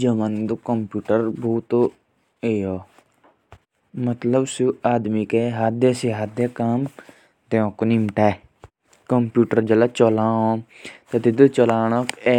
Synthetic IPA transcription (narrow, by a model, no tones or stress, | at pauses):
d͡ʒəmənd̪okəmpjuːʈəɾbʱuːt̪o | ejoː | mət̪ləbsuaːd̪mikeɦaːd̪eːsiɦaːd̪eːkaːm | t̪eõːkonimʈaː | kəmpjuːʈəɾd͡ʒəlat͡ʃoːlãːõː | t̪et̪ɪd̪ət͡ʃolaːñokeː